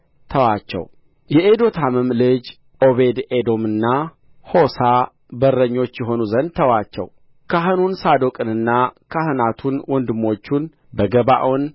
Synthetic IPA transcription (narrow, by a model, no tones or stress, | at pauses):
t̪ʰəwat͡ʃːɛ̰w | jɛed̪o̞t̪ʰamɨmlɨd͡ʒ | ʔo̞βe̞d̪ed̪o̞mɨnːa | ho̞sa | bərːəɲːo̞t͡ʃːjɛɦo̞nuzənd̪̚t̪ʰəwat͡ʃːɛ̰w | kʰaɦɨnunsad̪o̞kʼɨnɨnːakʰahɨnat̪ʰunwɔnd̪ɨmːo̞t͡ʃːun | bəɡəba̰ʔon